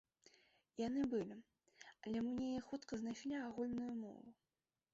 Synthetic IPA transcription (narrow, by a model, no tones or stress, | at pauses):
jan̪ɨbɨlʲi | ɐlʲɛmnʲejɛxut̪kɐznajʂlʲiaɣulʲnujumɔ̰vu